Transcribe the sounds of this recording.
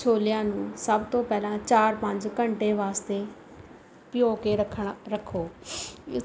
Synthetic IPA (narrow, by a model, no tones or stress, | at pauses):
t͡ʃʰoːlɪjãːnũːsəbt̪õːpɛːlãːt͡ʃaːɾpəɲd͡ʒkəɳʈẽːʋaːst̪eː | pɪjoːkeːɾəkʰːɳɾəkʰoː